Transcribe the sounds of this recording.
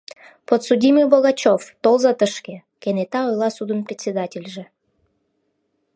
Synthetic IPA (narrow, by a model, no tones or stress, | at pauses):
pot̪sudʲiməjboɣɑt͡ɕoft̪olzɑt̪əʃke | kenet̪ɑojlɑsud̪ənprʲet̪ʲsʲed̪ɑtʲelʲʒĕ